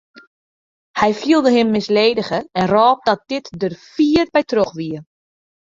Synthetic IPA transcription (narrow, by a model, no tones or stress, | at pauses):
hɛjfilˠdəɦɪmːɪsleːdəɣəɛnrɔːp̚dɔt̚d̥ɪtdərfiːərbɛjtroxʋiə